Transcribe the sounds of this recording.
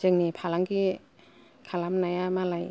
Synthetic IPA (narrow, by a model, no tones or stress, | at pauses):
d͡ʒɯŋnipʰalaŋki | kʰalamnajamalaj